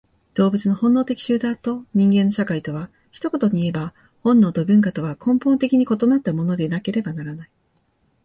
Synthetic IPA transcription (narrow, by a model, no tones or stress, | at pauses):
d̪̥o̞ːbɯ̟t͡sɨno̞hõ̞nːo̞ːt̪ekʲi̥ɕɨːd̪at̪o̞ɲ̟ĩŋɡenːo̞ɕakait̪o̞β̞a | çi̥t̪o̞ko̞t̪o̞ɲ̟iːe̞ba | hõ̞nːo̞ːt̪obɯ̟̃ŋkat̪o̞βakʰõ̞mpont̪e̞kʲiɲ̟iko̞t̪o̞nat̪ːamo̞no̞d̪enake̞ɾe̞banaɾanai